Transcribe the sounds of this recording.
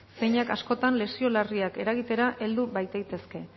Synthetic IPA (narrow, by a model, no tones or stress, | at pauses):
se̞jɲakasko̞t̪anle̞sio̞lariake̞ɾaɣit̪e̞ɾaʔe̞ld̪uβajt̪ejt̪e̞ske̞